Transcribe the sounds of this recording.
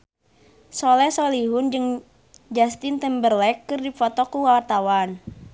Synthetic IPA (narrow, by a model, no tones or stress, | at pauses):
solɛsoliɦʊnd͡ʒɨŋ | d͡ʒast̪int̪ɛmbərlɛkːɨrdifɔt̪ɔkuwawrt̪awan